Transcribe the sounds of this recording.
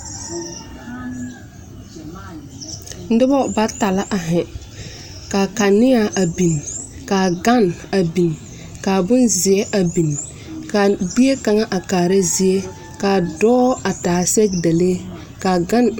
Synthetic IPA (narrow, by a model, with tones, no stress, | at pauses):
n̩˦dɪ˦bɔ˦ba˦ta˨la˦ʔa˨ɦɛ˨ | ka˨ka˨nɪ˦a˨ʔa˨bi˨n | kaː˨ɡa˦na˨bi˨n | ka˨bʊ˦nzɪ˨ɛ˦ʔa˨bi˨n | ka˨bi˦e˦ka˨ŋa˦ʔa˨kaː˨ɾa˦zi˦e˦ | ka˨dɔː˦a˨taː˨sɛ˦ɡda˨le˦ | ka˨ɡa˦n